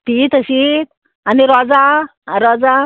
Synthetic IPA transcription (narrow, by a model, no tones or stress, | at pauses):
t̪it̪əɕit̪ | aniɾɔd͡zaɾɔd͡za